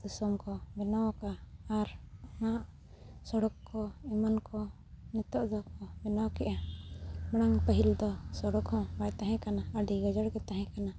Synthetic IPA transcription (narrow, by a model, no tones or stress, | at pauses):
d̪isɔmkɔbɛnawkaːɾmaʔ | sɔɽɔkːɔɛmankɔ | nit̪ɔʔd̪ɔkɔbɛnawkɛʔa | maɽ̃aŋpəɦild̪ɔsɔɽɔkhɔ̃bajt̪aɦɛ̃kanaəɖiɡɔd͡ʒəɽkɛt̪aɦɛ̃kana